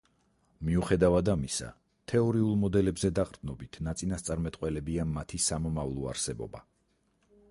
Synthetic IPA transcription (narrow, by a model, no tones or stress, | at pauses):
miuχɛd̪avad̪amisa̰ | t̪ʰɛɔɾiulˠmɔd̪ɛlɛbzɛd̪aqʼɾd̪nɔbit̪ʰnat̪sʼinast̪sʼaɾmɛt̪ʼqʼwɛlɛbiamat̪ʰisamɔmavlˠɔa̰ɾsɛbɔ̰ba̰